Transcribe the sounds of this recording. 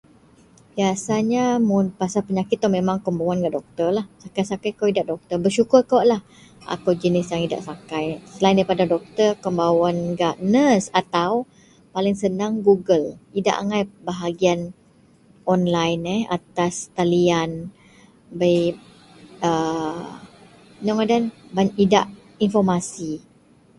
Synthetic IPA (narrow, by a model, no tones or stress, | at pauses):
biasaɲamʊnpasapəɲakɪt̪̚ːɔmemãŋkəmbawanɡaʔdɔk̚t̪ərlahsakajsakajkowidaʔdɔk̚t̪ərbərʃukʊrkoʔlah | a̰kowd͡ʒənɪsjaŋida̰ʔsakajsəlaindaipadadɔk̚t̪ərkəmbawanɡaʔnəsat̪aw | palɪŋsənaŋɡuɡəlida̰ʔa̰ŋajbaɦaɡian | ɔnlajnɛa̰t̪ast̪alian | bəj | ə | nɔŋadanbaɲʔidaʔ | infɔrmasi